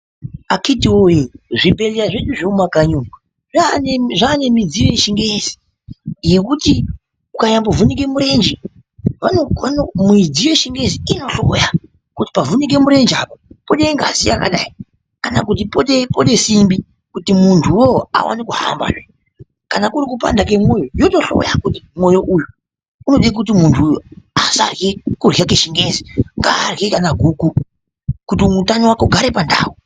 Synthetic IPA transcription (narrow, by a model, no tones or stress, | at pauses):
akitiwojeʐibʱe̞lijaʐe̞ɗuʐeumakaɲu | ʐaneʐane̞mid͡ziʋe̞ʃiŋɡe̞zi̥ | jekuti | kukajambovunik̬e̞muɾe̞nd͡ʒi | ʋanoanomuid͡ziweʃiŋɡe̞ziino̞ɬo̞ja | kuti̥pavunik̬e̞muɾe̞nd͡ʒapapoɗeŋɡa̰sia̰ka̰ɗai | kanakut̬ipoɗepoɗesimbi | kutimuntʰuwoa̰wʔa̰nikuha̰mba̰ʐḛ | kanakuɾik̬upa̰ndak̬emojojoto̞ɬo̰ja̰kutimwo̞jo̞ʔuju | uno̞ɗiak̬utimuntʰujasa̰rɣekurɣakeʃiŋɡeziŋɡaːrɣekanaɡʱuku | kutimutaniwako̞ɡʱaɾe̞panda̰ːwu